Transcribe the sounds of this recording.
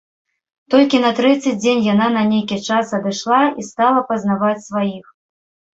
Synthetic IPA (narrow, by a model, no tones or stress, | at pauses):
t̪ɔlʲkʲinɐt̪ɾɛt̪sɨd͡zʲd͡zʲenʲjananɐnʲejkʲit͡ʂasɐd̪ɨʂlˠaist̪alˠɐpɐznavat͡sʲsvajix